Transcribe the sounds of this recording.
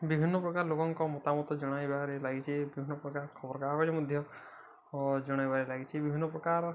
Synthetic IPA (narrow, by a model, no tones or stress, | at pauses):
bibʱinːɔpɾɔkaɾlokɔŋkɔmɔt̪amɔt̪ɔd͡ʒɔɽ̃ajbaɾelaɡit͡ʃʰibibʱinːɔpɾɔkaɾkʰɔbɔɾɔkaɾkɔɾemɔd̪ʱjɔ | d͡ʒɔɽ̃ajbaɾelaɡit͡ʃʰibibʱinːɔpɾɔkaɾ